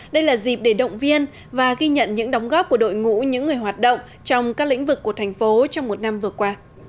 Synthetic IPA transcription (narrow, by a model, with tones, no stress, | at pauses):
ɗə˧jlaː˨˩zi˨˩p̚ɗe˧˩ɗə̰˧˨wŋ͡mvi˧ən | vaː˨˩ɣi˧ɲə̰˧˨nɲɨ̰˧˥ŋɗɔ˨˦wŋ͡mɣɔ˦˥p̚ku˧˩əɗo̰˧˨jŋṵ˧˥ɲɨ̰˧˥ŋːɨ˨˩əjɦwaː˨˩t̚ɗə̰˧˨wŋ͡m | t͡ɕɔ˧wŋ͡mkaː˦˥k̚lï˧˥ŋ̟vɨ˨˩kːu˧˩ət̪ʰɛ˨˩ŋ̟fo˨˦t͡ɕɔ˧wŋ͡mmo˨˩t̚na˧mvɨ˨˩əkwaː˧